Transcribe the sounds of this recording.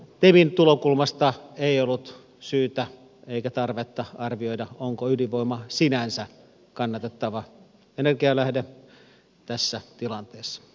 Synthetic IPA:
t̪emint̪ulokulmɑst̪ɑeˑiolːut̪ | syːt̪æ | eikæt̪ɑrʋet̪ːɑɑrʋioidɑoŋkoyliʋoimɑsinænsæ | kɑnːɑt̪et̪ːɑʋɑ | enerɡiɑlæhde | t̪æsːæt̪ilɑnt̪eːsːɑ̥

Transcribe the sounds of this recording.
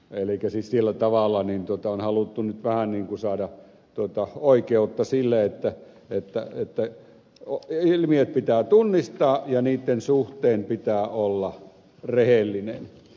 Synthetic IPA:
elikæsissielːæt̪ɑʋɑlːˑɑnint̪uot̪ɑonhɑlut̪ːunyt̪ʋæhænniːŋkusɑːdɑ | t̪uot̪ɑoˑikeut̪ːɑsilːeet̪ːæ | et̪ːæet̪ːæ | oilmiøt̪̚pit̪æːt̪unːist̪ɑːjɑniːt̪ːensuht̪ˑeːmpit̪æːolːɑ | rehelːinen

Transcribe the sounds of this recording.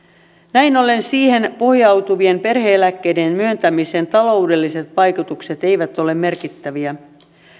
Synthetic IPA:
næinole̞nsiːhe̞npo̞hjɑwt̪uʋie̞mpe̞rheːlækːe̞jde̞nmyønt̪æmiseːnt̪ɑlo̞ude̞lːise̞t̪pɑjkut̪ukse̞t̪e̞jʋæt̪ːo̞le̞mme̞rkit̪ːæʋiæ

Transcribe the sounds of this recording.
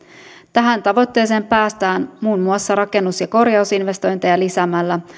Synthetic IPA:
t̪æɦænt̪ɑʋo̞t̪ːe̞jse̞ːmpæːst̪æːnmuːnmuɑsːɑɾɑke̞nːusjɑko̞rjɑusinʋe̞st̪o̞jnt̪ejɑlisæmælːæ

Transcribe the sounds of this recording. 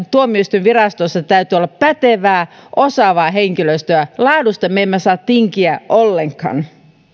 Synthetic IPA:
t̪uomːieist̪yʋʋirɑst̪osːɑt̪æyt̪yolːɑppæt̪eʋæːʔosɑʋɑːɦeŋkiløist̪øælɑːdust̪ɑmːemːæsɑːt̪t̪iŋkiæʔolːeŋkhɑ̰n

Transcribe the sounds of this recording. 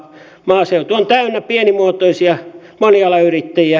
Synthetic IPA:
mɑːseut̪uont̪æynːæpienimuot̪oisiɑ | monijɑlːɑyrit̪ːæjiæ

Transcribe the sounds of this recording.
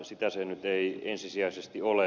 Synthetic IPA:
sit̪æsenyt̪eiensisiæisest̪iole

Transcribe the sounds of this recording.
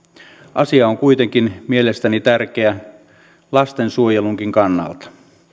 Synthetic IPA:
ʔɑsiɑoŋkuit̪e̞ŋkinmie̞le̞st̪ænit̪ærk̟eæ | lɑst̪ensuojeluŋk̟iŋkɑnːɑ̰lt̪ɑ̥

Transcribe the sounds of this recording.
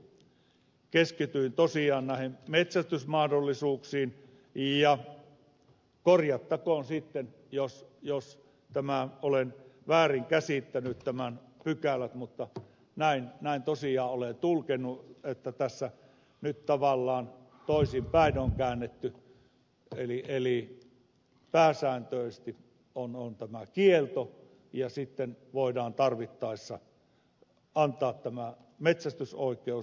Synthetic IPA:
keskit̪yint̪osiɑːnnæˑihemmet̪sæst̪ysmɑhdolːisuːksiːn | jɑ | korjɑt̪ːɑkoːˑnsit̪ːen | josjos | t̪æmæolenʋæːriŋkæsit̪ːænyt̪t̪æmænpykælæt̪mut̪ːɑ | næˑinnæˑint̪osiɑːolent̪ulkenːˑuet̪ːæt̪æsːæ | nytt̪ɑʋɑlːɑːn | t̪oˑisimpæˑinoŋkæˑːnːet̪ːy | eliʔeli | pæːsæːnt̪øˑesst̪i | ʔonont̪æmækielt̪o | jɑsit̪ːenʋoˑidɑːnt̪ɑrʋit̪ːɑˑesːɑ | ɑnt̪ˑɑːt̪t̪æmæ | met̪sæst̪ysoˑikˑeu

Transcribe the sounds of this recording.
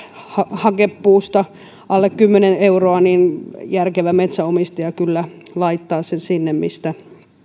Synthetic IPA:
hɑhɑkepːuːst̪ɑ | ʔɑlːekkymːeneneuroɑninjærkeʋæmet̪sæomist̪ɑɑkylːælɑit̪ːɑːsensinːemmḭst̪æ

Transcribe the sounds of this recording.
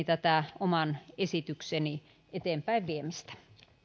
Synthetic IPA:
t̪æt̪æˑomɑnesit̪ykseni | ʔet̪eːmpæiʋʋiemist̪æ̥

